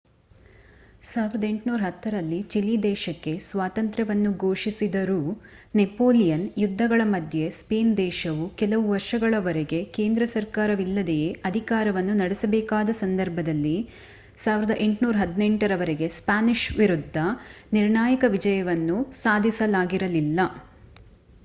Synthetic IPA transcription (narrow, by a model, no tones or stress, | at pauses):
saːʋiɾɐd̪ɐe̞ɳʈnuːɾɐɦɐt̪ːɐɾɐlːit͡ʃilːid̪ɛːʃɐkːe̞sʋaːt̪ɐnt̪ɾɐʋɐnːuɡo̞ːʂisid̪ɐɾunepo̞ːlijɐnjud̪ʱːɐɡɐɭɐmɐd̪ʱje̞speːnd̪ɛːʃɐʋukɛlɐʋuʋɐɾʂɐɡɐɭɐʋɐɾeɡe̞ke̞ːnd̪ɾɐsɐɾkaːɾɐʋilːɐd̪ejeʔɐd̪ʱikaːɾɐʋɐnːunɐɽesɐbɛːkaːd̪ɐsɐnd̪ɐɾbʱɐd̪ɐlːi | saːʋiɾɐd̪ɐʔe̞ɳʈnuːɾɐɦɐd̪neɳʈɐɾɐʋɐɾeɡe̞spaːniʃʋiɾud̪ʱːɐ | niɾɳaːjɐkɐʋid͡ʒɐjɐʋɐnːusaːd̪ʱisɐlaːɡiɾɐlilːɐ